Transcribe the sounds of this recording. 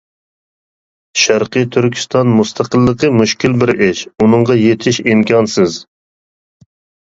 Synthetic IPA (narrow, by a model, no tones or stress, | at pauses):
ʃæɾqət̪ʰyɾkʲʰi̥st̪ɑnmust̪ʰɑqʰəlˠːəqʰəmuʃkʲilbɪɾɪʃunɨŋʁɑjet̪ʰɪʃimkʲʰɑnsɨz